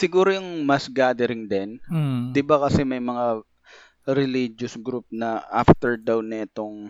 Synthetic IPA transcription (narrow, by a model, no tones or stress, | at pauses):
sɪɡuːɾojʊŋmɐsɡaːd̪ɛɾɪŋd̪ɛnd̪ɪbakɐsɛmɐjmɐŋa | ɾɪlid͡ʒosɡɾup̚nɐʔa̰ft̪ɛɹd̪awnɐɛt̪oŋ